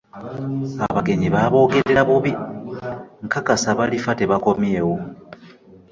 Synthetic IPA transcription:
aβaɡe̞ɲiβaβo̞ːɡe̞ɾeɾaβuβi | ŋkakasaβalifate̞βako̞mje̞ːwo

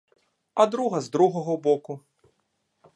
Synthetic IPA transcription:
ɐd̪ɾuɣɐzd̪ɾuɣɐɣɐbɔku

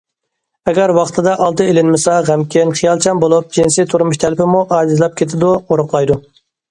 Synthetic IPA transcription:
ɛɡʲæɾwɑχt̪ʰɨd̪ɑʔɑlˠt̪ɨelɪnmɪsɑʁæmkʲʰɪnχijɑlˠt͡ʃʰɑmbolˠup̚d͡ʒinsɪt̪ʰuɾmuʃt̪ʰælpɪmuʔɑːd̪ɪzlˠɑp̚kʲʰet̪ʰɪd̪uoɾʊχlˠɑjd̪u

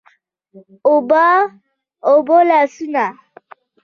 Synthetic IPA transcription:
oba | obolasuna

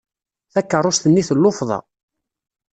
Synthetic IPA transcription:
θækːərˤːost̪ənːiθəlːofðˤɑ̰

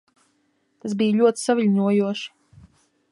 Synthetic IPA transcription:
t̪as̬bijʎʲuɔt̪i̥savilʲɲuɔjuɔʃi̥

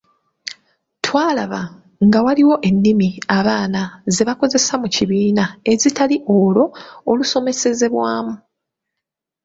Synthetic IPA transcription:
twaːlaβa | ŋɡawaliwo̞ʔe̞nːimiaβaːnaze̞βako̞ze̞samuciβiːnae̞zitaliʔo̞lo̞ːluso̞me̞se̞ze̞βwaːmu

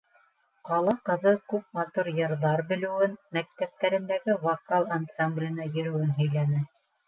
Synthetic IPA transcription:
qɑlˠɑqɤ̆ðɤkʉp̚mɑt̪uɾjɤ̆ɾðɑɾbɘ̆lɘ̆wɘnmæk̚t̪æp̚t̪æɾɘ̆nd̪æɡɘvɑkalˠansamblʲɪjɤ̆nɑjɵ̆ɾɘ̆wɘnɦɵ̆jlænɘ

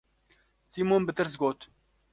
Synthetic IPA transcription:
siːmoːnbɨt̪ɨɾs̬ɡoːt̪

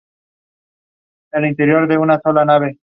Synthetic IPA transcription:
ɛlint̪eɾijɔɾd̪eunasʰɔlanaβe

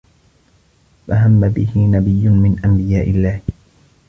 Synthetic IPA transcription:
faɦamːabɪhɪnabɪjːʊnmɪnʔambɪjaːʔɪlːaːh

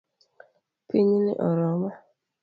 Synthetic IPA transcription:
piɲinɪ̰ʔɔɾɔma

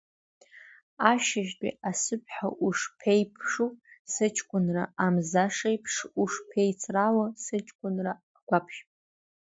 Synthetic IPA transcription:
aʃɪʒtʼḭasɨpʰʼħa̰ʔuʂpʰejpʰʂusɨt͡ʃʰʼkʷʼʊnraamzaʂejpʰʂuʂpʰejt͡sʰralasɨt͡ʃʼkʷʼʊnra | ɡʷapʰʃpʼ

